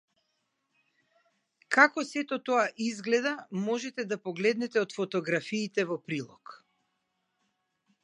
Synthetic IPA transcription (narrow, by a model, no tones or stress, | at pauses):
kakɔsɛt̪ɔt̪ɔaʔizɡlɛd̪amɔʒɛt̪ɛd̪apɔɡlɛd̪nɛt̪ɛɔt̪fɔt̪ɔɡɾafiːt̪ɛvɔpɾilˠɔk